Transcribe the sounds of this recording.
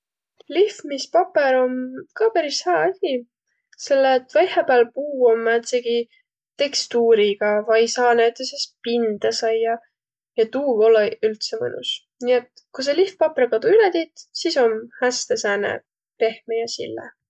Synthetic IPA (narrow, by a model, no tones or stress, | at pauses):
lihfmispɑpːeɾo̞mkɑːpæɾisheɑɑsʲi | se̞lːeːt̪ːvɑjhepæːlpuːomːæt̪seɡ̥i | t̪e̞kst̪uːɾiɡ̥ɑvɑjsɑːnæt̪ːˑesespind̪̥ɑsɑjːɑ | jɑt̪uːvo̞lːeylt̪sevɤ̰nʔṵs | niet̪ | kus̬elihfpɑpeɾkɑd̪̥uyled̪it̪siso̞mhæst̪e̞sæːnḛ | re̞hmejɑsḭlːḛ